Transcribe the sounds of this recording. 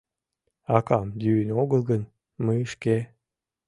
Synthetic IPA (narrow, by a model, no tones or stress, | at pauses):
ɑkɑmd̪yːnʲoɡəlˠɡən | məəʃke